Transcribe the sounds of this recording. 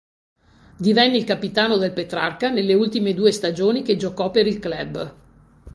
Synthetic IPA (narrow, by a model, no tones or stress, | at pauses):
d̪ivɛnːeilkapit̪aːnod̪elpet̪ɾa̰rkanelːeult̪imed̪uːest̪ad͡ʒoːnik̟ed͡ʒokɔpːeɾilklɛbː